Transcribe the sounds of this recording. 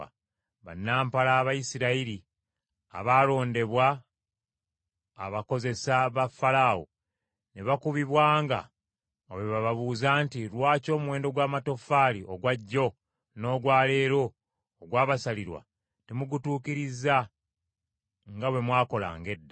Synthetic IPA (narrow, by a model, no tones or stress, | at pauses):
a | βa̰nːaːmpalaːβajisiɾaiɾi | a̰βaːlo̞ːnde̞βwa | βako̞ze̞saβafalawo̰ | neβakuβiβwaːŋɡa̰ | oweβaβaβuːzaːntiɾwaːco̞ːmuwe̞ːndo̞ɡwaːmato̞faliʔo̞ɡwaɟːo̞ | no̞ːɡwaːle̞ːɾo̞ː | ɡwaːβasaliɾwa̰ | temuɡutuːkiɾiza | ŋɡawe̞mwaːko̞la̰ːŋɡe̞dːa